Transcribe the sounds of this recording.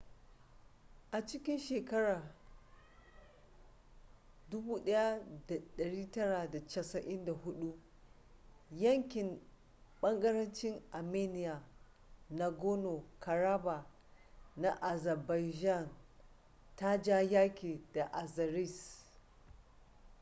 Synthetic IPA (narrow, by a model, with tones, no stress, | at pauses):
ʔa˨t͡ʃɪ˦kʲɪ˦nʃeː˨kɐ˦ɽaː˨ | dʊ˦buː˦ɗɐ˦ja˦da˨ɗɐ˨ɽiː˦tɐ˦ɽa˨da˨t͡ʃɐ˦˨sɐ˨ʔɪ˦nda˨hʊ˦ɗu˦ | jɐ˦ŋkʲɪ˨m | ɓɐ˦ŋɡɐ˦ɾɐ˦nt͡ʃɪ˦ŋʔa˨meː˦nɪ˦ja˨ | na˨ɡo˦no˨ka˨ɾaː˦ba˨ | na˨ʔa˨zɐ˨ba˨jʒa˦˨n | ta˦d͡ʒa˦jaː˦kʲeː˨da˨ʔa˨zɐ˨ɾi˦˨s